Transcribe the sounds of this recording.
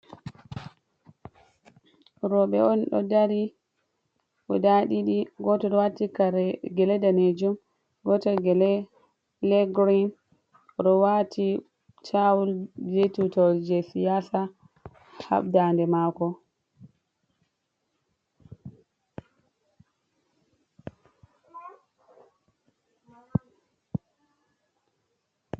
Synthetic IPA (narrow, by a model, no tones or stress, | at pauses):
ɾɔɓɛɔnɗɔ̰daɾi | ʔɔdaɗiɗiɡɔtɔɗɔwatːikɡɛlɛdaned͡ʒum | ɡɔtɔɡɛlɛ | lɛɡɾin | ɗɔwatʰi | tʰawuld͡ʒetutɔld͡ʒɛsijasa | ha̰ɓdandɛmaːkɔ